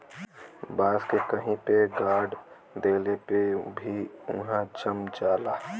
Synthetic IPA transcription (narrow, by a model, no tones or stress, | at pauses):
baːskekəɦĩpeɡaːɖ | d̪eːlepebʱiʊ̰ɦãd͡ʒəmd͡ʒaːlaː